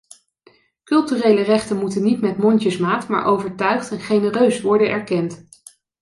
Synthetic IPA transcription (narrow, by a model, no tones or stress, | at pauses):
kɵlˠtyrejlərɛχtənmutənːitmɛtmɔntəsmaːtma̰ːɹʔowvəɹtœɥχtɛnχejnərøɥsʋɔɹdənɛɹkɛnt